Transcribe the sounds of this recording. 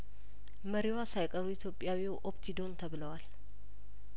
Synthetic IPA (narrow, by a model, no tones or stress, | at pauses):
məɾiwasajkʼəɾuit̪ʰjo̞pʼjawiʔopt̪ʰid̪o̞nt̪ʰəβɨləwal